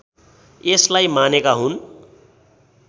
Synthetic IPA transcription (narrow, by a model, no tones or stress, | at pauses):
eslaimanekaɦun